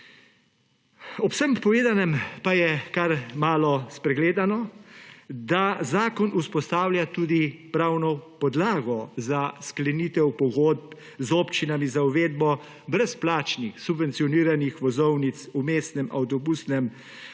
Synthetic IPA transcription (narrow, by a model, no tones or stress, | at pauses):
ɔpsɛmpɔʋeːd̪anɛmpajɛkaɾmaːlɔspɾɛɡleːd̪anɔ | d̪azaːkɔnʔuspɔst̪aːwlʲjat̪uːd̪ipɾaːwnɔpɔd̪laːɡɔzasklɛniːt̪ɛwpɔɡoːd̪̚p | zoːpt͡ʃinamizauʋeːd̪̚bɔ | bɾɛsplaːt͡ʃnixsubʋɛnt̪sijɔniːɾanixʋɔzɔwnit̪sumeːst̪nɛmʔawt̪ɔbusnɛm